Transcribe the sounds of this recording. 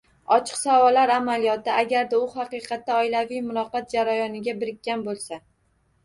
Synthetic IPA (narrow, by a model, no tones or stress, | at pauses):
ɒt͡ʃʰɨ̥qsawɒlːaɾamalijɒt̪aːɡʲaɾd̪aʊhɑqɨjqʰɑt̪ːaɒɪlavijmʊlɒqɑt̪̚d͡ʒaɾajɒnɪɡʲabɪɾɪkʲːanbolˠsa